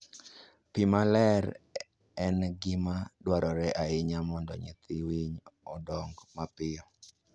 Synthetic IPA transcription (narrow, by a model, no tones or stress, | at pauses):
pimalɛɾ | ɛnɡɪmadwaɾɔɾɛʔaɪɲamɔndɔ̰ɲɛ̰t̪iwiɲɔdɔŋɡmapɪɔ